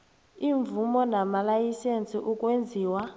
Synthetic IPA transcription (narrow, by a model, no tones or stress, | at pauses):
iɱvumɔnamalajisent͡sʼiʔukʼwend͡zʱiːwa